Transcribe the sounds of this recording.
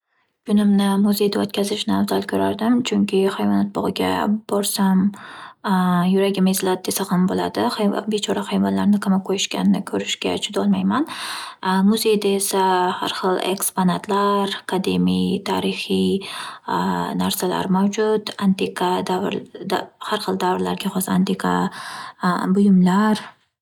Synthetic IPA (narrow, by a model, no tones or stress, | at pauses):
kʰʊnɪmnɪmʊze̞jd̪aot̪kʲʰazɪʃnɪawzalkʲʰɵɾaɾd̪ɪmt͡ʃʰʊŋkʲʰɪχajvɒnat̪̚bɒʁɨɡʲa̰b̥ɒɾsam | jʊɾaɡʲɪmezlat̪̚d̪e̞saqɨmbolad̪ɪbet͡ʃʰɒɾahajvɒnlaɾnɪkʰamɒqʰojɪʃkʲanɪnɪkʲʰɵɾɪʃkʲa̰t͡ʃʰʊd̪ɒlˠmajman | mʊze̞jd̪ae̞saha̰ɾχɨlˠḛksponat̪ʰlaɾakʰad̪emijt̪ʰa̰ɾɪχi | naɾsala̰ɾmawd͡ʒʊt̪ant̪ʰekʰad̪a | haɾχɨlˠd̪avɾla̰ɾɡʲaχɒsant̪ʰekʰa̰ | bʊjʊmlaɾ